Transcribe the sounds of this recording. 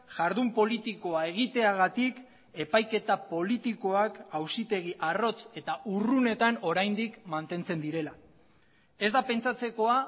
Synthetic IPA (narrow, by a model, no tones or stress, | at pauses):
ʝaɾðumpo̞lit̪iko̞ae̞ɣ̞it̪e̞aɣat̪ik | e̞pajke̞t̪apo̞lit̪iko̞akawsit̪e̞ɣ̞iʔaro̞t͡se̞t̪aʔurune̞t̪ano̞ɾajnd̪ikmant̪e̞nt͡se̞nd̪iɾe̞la | e̞zd̪ape̞nt͡sat͡se̞ko̞a